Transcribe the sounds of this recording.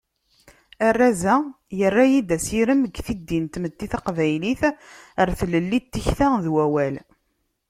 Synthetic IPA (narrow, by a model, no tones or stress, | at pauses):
ærːazæ | jərːajid̪æsiɾəməɡθid̪ːint̪mət̪ːiθaqvæjliθəɾθləlːit̪ːəçθæðwæwæl